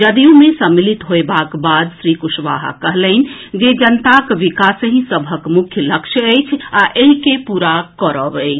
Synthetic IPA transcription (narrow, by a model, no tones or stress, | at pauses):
d͡ʒəd̪ijũmesəmːilit̪ɦoebakbad̪sɾikuʃʋa̰ɦa̰kəɦləɪn̆d͡ʒed͡ʒənt̪akʋikasɦĩsəbʱəkmukʰjələkʃəəjt͡ʃʰaʔeɦikepuɾakəɾəbəɪt͡ʃʰ